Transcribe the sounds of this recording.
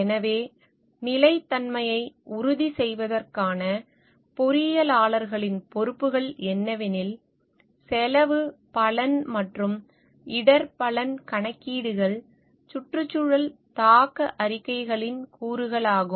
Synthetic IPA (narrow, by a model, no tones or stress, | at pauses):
ɛnɐʋeː | nɪlɐɪt̪ːɐnmɐjɐɪʊɾʊðisɛjʋɐðɐrkaːnɐ | pɔɾɪjɐlaːɭɐɾɣɐɭɪnpɔɾɯpːɯɣɐɭɛnːɐʋɪnɪl | sɛlɐʋɯpɐlɐnmɐʈrɯm | ɪɽɐɾpɐlɐnkɐɳɐkːiːɽɯɣɐɭ | t͡ʃʊʈrɯt͡ʃːɯɻɐlt̪aːkɐʔɐɾɪkːɐɪɣɐɭɪnkuːɾɯɣɐɭaːɣɯm